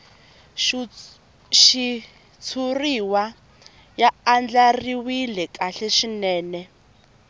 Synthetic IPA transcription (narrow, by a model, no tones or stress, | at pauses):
ʃi | t͡sʰuriwa | jaːnd͡ɮariwilɛkʼaɬɛʃinɛːnɛ